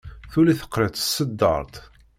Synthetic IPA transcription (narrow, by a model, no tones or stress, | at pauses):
θuliθə̥qːɾət̪ə̥sːəd̪ːə̰ɾˤt̪